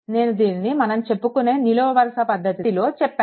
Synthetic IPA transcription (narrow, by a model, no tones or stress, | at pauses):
ne̞ːnud̪iːninimɐnɐmt͡ʃe̞pːukune̞ːniloːɐʋɐɾɐʂɐpɐd̪ʱːɐt̪iilo̞ːt͡ʃɛpː